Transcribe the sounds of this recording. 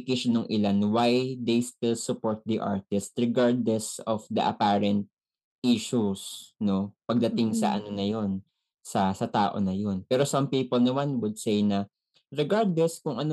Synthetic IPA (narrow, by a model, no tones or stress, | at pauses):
kɪʃnːɐŋʔɪlanwajd̪ejst̪ɪlsʊpoɹt̪̚d̪iʔa̰ɹt̪ɪst̪̚ɹɛɡaɹd̪lɛsɔfd̪ɐ̰ʔɐ̰paɹɛnt̪̚ | ʔiʃusno̞pɐɡ̚d̪ɐt̪ɪŋsɐ̰ʔɐ̰nonɐjo̞n | sɐsɐt̪a̰ːʔo̰nɐjo̞npɛːɾo̞sɐmpiːpɔlnɐmanwʊd̪̚sejnɐ | ɹɛɡaɹd̪lɛskʊŋɐno